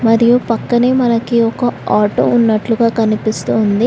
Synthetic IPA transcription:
mɐɾijupɐkːɐne̞ːmɐnɐkiɔkɐaːʈo̰ːunːɐʈluɡaːkɐnipist̪uːnd̪i

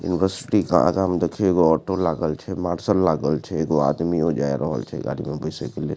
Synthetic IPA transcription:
jṵnɪʋəɾsɪ̥ʈika̰a̰ɡamd̪ekʰieɡoɔːʈolaːɡəlt͡ʃʰɛmaːɾsəllaːɡəlt͡ʃʰeɡoa̰ːd̪miɦod͡ʒa̰ːḛɾɔɦə̰lt͡ʃʰɛ̰ɡa̰ːɾḭmẽbəɪsekelḛ

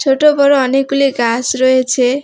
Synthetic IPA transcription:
t͡sʰoʈobʌɾoːnekuleɡasroɦet͡sʰe

